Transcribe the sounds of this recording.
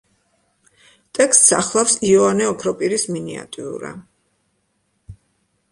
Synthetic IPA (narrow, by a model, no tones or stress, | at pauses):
t̪ʼɛkst̪sa̰χlˠafsiɔanɛɔpʰɾɔpʼiɾisminia̰t̪ʼiṵɾa̰